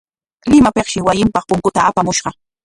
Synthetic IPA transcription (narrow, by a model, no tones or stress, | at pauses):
lɪmapeχʃɪwajɪmpɑχpʊŋkʊt̪aapamʊʃɢɑ